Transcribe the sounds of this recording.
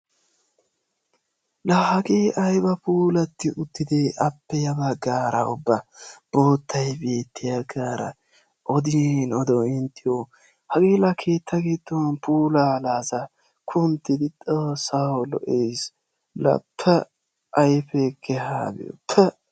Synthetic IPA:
laːhɐɡeːʔɐjbɐpuːlɐt̪ːɪʔʊt̪ːɪd̪eʔɐpːɛjɐbɐɡaːɾɐ̰ʊbːɐb̥o̞ːt̪ʰːɐjbe̞ːt̪ʰːɪjɐɡaːɾɐ̰ | ʔɔd̪ɪnɔd̪ɔɪnt̪ʰːɪjo | hɐɡeːlɐkʰe̞ːt̪ːɐɡeːt̪ːownpʰuːlaːlaːzɐ | kʰʊnt̪ːɪd̪ɪt̪ʼoːsːawlɔ̰ʔeːs | lɐ̰pʰːɛ | ʔɐjfɛkʰːɛha̰ːbɪ̰jɔ̰pʰːɛ

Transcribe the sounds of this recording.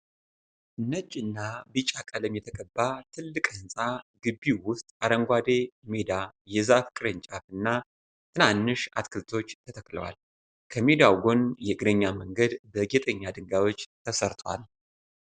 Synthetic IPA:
nəd͡ʒʼɨnːabɨt͡ʃʼakʼələmjɛt̪ʰəkʼəbːat̪ʰɨlːɨkʼɨnsʼaɡɨbːiwʊst̪ʼaɾəŋɡʷad̪emed̪ajɛzafkʼɨɾɨɲt͡ʃʼafɨnːa | t̪ʰɨnanːɨʃa̰t̪kʰɨlt̪ʰo̞t͡ʃːt̪ʰət̪ʰəkʼlə̰wa̰l | kʰəmed̪awɡo̞njɛɡɾəɲːaməŋɡəd̪bəɡɛt̪ʼəɲːad̪ɨŋɡawo̞t͡ʃːt̪ʰəsəɾt̪ʰʼwa̰l

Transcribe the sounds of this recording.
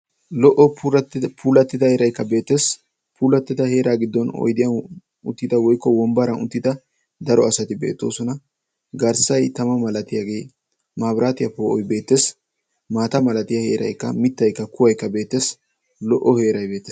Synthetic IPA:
lɔʔɔpʰuːlɐt̪ːɪd̪ɐheːɾɐjkːɐbe̞ːt̪ːe̞ːs | puːlɐt̪ːɛd̪ɐhe̞ːɾaːɡɪd̪ːɔnɔ̰jd̪ɪjɐ | ʊt̪ːɪd̪ɐwɔjkːɔwɔmbɐɾɐnʊt̪ːɪd̪ɐ | d̪ɐɾɔɐsɐt̪ɪbe̞̰ːt̪ːo̞̰ːsɔnɐ | ɡɐɾsɐjt̪ɐmɐmɐlɐt̪ɪjaːɡe̞ː | maːbɾaːt̪ɪjɐpoːʔɔjbe̞ːt̪ːeːs | maːt̪ɐmɐlɐt̪ɪjɐhe̞̰ːɾɐ̰jkːɐ̰mɪt̪ːɐjkːɐkʊwɐjkːɐbe̞ːt̪ːe̞ːs | lɔʔːɔhe̞ːɾɐjbe̞ːt̪ːeː

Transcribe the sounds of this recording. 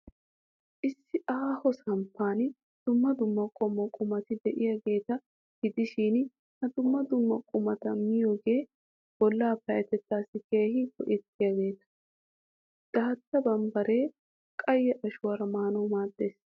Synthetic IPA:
ʔɪsːɪʔaːhɔsɐmpʰːaːn | d̪̥ʊmːɐd̪ʊmːɐkʼɔmɔkʼʊmɐt̪ɪd̪ɛʔɪjaɡe̞ːt̪ɐ | ɡɪd̪ɪʃiːn | hɐd̪ʊmːɐd̪ʊmːɐkʼʊmɐt̪ɐmɪjoːɡe̞ː | b̥ɔlːaːpɐjɐt̪ɛt̪ːaːsːɪkeːhɪkɔʔɛt̪ːɪjaɡe̞ːt̪ɐ̥ | d̪̥aːt̪ːɐbɐmbɐɾe̞ː | kʼɐjːɛʔɐʃʊwɐɾɐmaːnɔwmaːd̪ːe̞ːs

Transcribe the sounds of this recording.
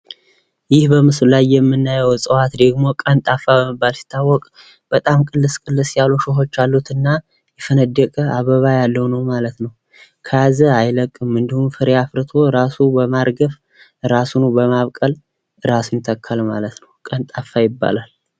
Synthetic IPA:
jɪhbəmɨslajːɛmːɨnːajəwsʼəwat̪d̪əɡmo̞kʼənt̪ʼafabəməbːalsi̥t̪ʰːawːɔkʼ | b̥ət̪ʼamkʼɨlːɨskʼɨlːɨsjaluʃɪɦo̞t͡ʃːalːut̪ʰɨnːa | jɛfənəd̪əkʼəaβəβajalːəwnəwmalət̪nəw | kʰəazəajləkʼːɨmːɨnd̪ɨhumfɨɾjafɾɨt̪ʰo̞ɾasubəmaɾɡəf | ɨɾasunubəmaβkʼəl | ɨɾasunt̪ʰəkʰːalma̰lət̪nəwkʼənt̪ʼafːajɪbːa̰lal

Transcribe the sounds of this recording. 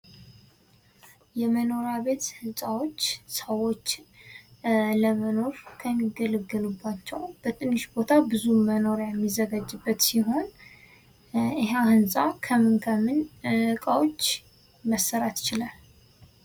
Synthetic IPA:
jɛməno̞ɾaβe̞t̪hɨnsʼawo̞t͡ʃːsəwo̞t͡ʃː | ləməno̞ɾkʰəmːiɡələɡɨlubːat͡ʃːɛwb̥ət̪ʰʼɨnːɨʃbo̞t̪ʰabɨzuməno̞ɾjɛmːizːəɡad͡ʒːɨbːət̪siɦo̞n | ɨɦeahɨnsʼakʰəmɨnkʰəmːɨnɨkʼawo̞t͡ʃː | məsːəɾat̪t͡ʃɪlal

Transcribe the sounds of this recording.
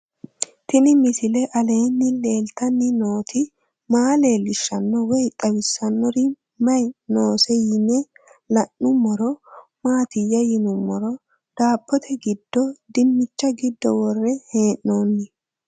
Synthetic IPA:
t̪ɪnɪmɪsɪlɛʔɐleːnːɪle̞ːlt̪ɐnːɪnoːt̪ʰɪ | maːle̞ːlːɪʃːɐnːɔwɔjt̪ʼɐwɪsːɐnːɔɾɪ | mɐjnoːsɛjɪnɛ | lɐnːʊmːɔɾɔmaːt̪ɪjːɐjɪnʊmːɔɾɔ | d̪̥aːpːɔt̪ʰɛɡɪd̪ːɔd̪ɪmːɪt͡ʃːɐɡɪd̪ːɔwɔrːɛheːʔnoːnːɪ

